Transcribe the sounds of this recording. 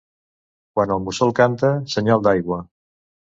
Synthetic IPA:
kwanəlˠmusɔlˠkant̪əsəɲalˠd̪ajɣwə

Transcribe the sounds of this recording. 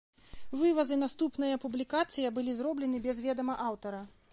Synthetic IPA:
vɨvɐzɨnast̪upnɐjɐpublʲikat̪sɨjɐbɨlʲizrɔblʲɛnɨbʲɛzvʲɛd̪ɐmɐʔawt̪ɐɾɐ

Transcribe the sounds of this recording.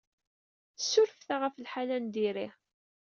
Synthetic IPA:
θəsːʊɾfθaʁəfəlħalænd̪iɾi

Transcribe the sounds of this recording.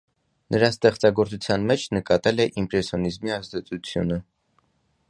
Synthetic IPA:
nʔəɾɑst̪ɛχt͡sɑɡɔɾt͡sʰut͡sʰjɑnmɛt͡ʃʰnəkɑt̪ɛlɛʔimpɾɛsjɔnizmiɑzd̪ɛt͡sʼut͡sʰjṵnə

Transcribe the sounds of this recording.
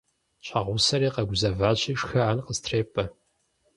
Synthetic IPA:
ɕʼɐʁʷʊsɐɾeːqɐɡʷʊzɐvaːɕʼiːʂxɐaːnqəstʰreːpʼɐ

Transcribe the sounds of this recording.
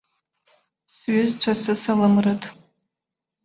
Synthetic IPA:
sɥɪzt͡ʃʷʰasɨsalɨmrɨtʼ

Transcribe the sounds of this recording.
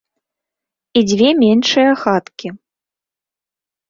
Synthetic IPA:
id͡zʲvʲɛmʲenʂɨjɐxat̪kʲʰi

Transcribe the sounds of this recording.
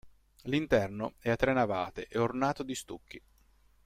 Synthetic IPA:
lint̪ɛrnoɛat̪ːɾenːavaːt̪eʔeornaːt̪od̪ist̪ukːi

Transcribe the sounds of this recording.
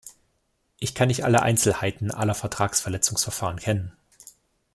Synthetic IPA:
ʔɪçkʰanmɪçtʔa̰lə̰ʔa̰ɪnt͡sl̩haɪtn̩ʔa̰lɐfɛɐtʁ̥aːksfɛɐlɛt͡sʊŋsfɛɐfaːʁ̞ənkʰɛnən

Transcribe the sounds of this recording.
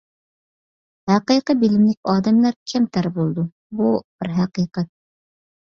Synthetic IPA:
hæqijqɨbilɪmlɪk̚ʲɑːd̪ɛmlæɾkʲʰɛmt̪ʰæɾbulˠd̪u | bub̥ɪɾɦæqiːqɛt̪̚

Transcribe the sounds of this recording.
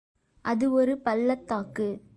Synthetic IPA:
ʔɐðɯɔɾɯpɐlːɐt̪ːaːkɯ

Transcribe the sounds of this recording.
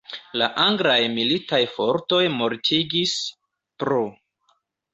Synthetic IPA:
laʔaŋɡɾajmilitajfo̞ɾto̞jmo̞ɾtʰiɡis | pɾu

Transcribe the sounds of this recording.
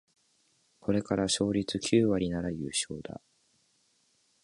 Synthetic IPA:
kʰo̞ɾe̞kaɾaɕo̞ːɾʲit͡sɨkʲʰɨːβaɾʲinaɾajɯ̟ːɕo̞̰ːd̪̥a̰

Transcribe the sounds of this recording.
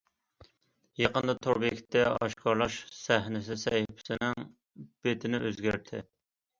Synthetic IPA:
jeqənd̪ɑt̪ʰoɾbekʲt̪ːɛɑʃkʰɑɾlˠɑʃsæɦnɪsɪsɛjɪpʰɪ̥sɪnɪŋ | b̥et̪ʰɪnɪʔøzɡʲæɾt̪ʰɪ

